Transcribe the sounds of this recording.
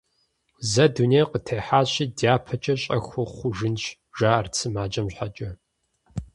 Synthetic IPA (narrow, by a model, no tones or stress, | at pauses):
zɐdunejqətʰejħaːɕiːdjaːpʰɐt͡ʃʼɐɕʼɐxʷʊχʷʊʒɨnɕ | ʒaːɐrt͡sʰɨmaːd͡ʒʼɐmɕħat͡ʃʼɐ